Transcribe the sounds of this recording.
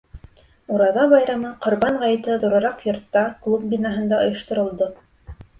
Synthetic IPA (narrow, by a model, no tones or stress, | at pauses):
uɾɑðɑβɑjɾɑmɤqŏɾβɑɴʁɑjt̪ɘðŏɾɤ̆ɾɑqjŏɾt̪ːɑklˠup̚binɑɦɤ̆nd̪ɑŏjɤ̆ʃt̪ŏɾɤ̆lˠd̪o